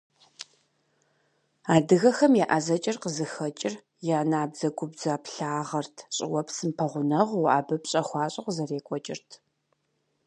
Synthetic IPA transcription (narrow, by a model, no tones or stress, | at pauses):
aːdɨɣɐxɐmjɛʔɐzɐt͡ʃʼɪrqəzɨxɐt͡ʃʼɪr | jaːnaːbzɐɡʷʊbzapɬaːʁɐrtʰɕʼɪ̰wɐpsɨmpʰɐʁʷʊnɐʁwa̰ːbɐpɕʼɐχʷɑːɕʼɐqzɐreːkʷʼɔt͡ʃʼɪ̰rtʰ